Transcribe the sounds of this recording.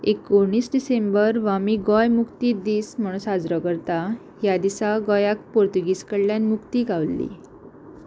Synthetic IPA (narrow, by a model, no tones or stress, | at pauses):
ekːoɽ̃iːsɖisembəɾʋamiɡɔjmukt̪iːd̪iːsm̤əɽ̃ũnsad͡zɾɔkəɾt̪a | jad̪isaɡɔjak̚poɾt̪uɡiskəɽljanmukt̪iːɡaʋlːḭ